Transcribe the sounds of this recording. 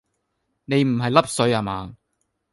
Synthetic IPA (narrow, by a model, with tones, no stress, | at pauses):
ne˨˧jm̩˨˩ɦɐ˨jlɐ˥p̚sɵ˨˥ɥaː˨˩maː˨˧